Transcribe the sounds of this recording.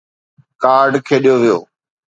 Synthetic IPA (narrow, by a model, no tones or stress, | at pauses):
kaːɾɖkʰeːɗijoːʋɪjo̰ː